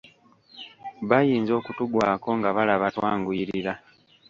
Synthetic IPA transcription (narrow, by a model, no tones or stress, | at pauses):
βajiːnzo̞ːkutuɡwaːko̞ŋɡaβalaβatwaːŋɡuiɾiɾa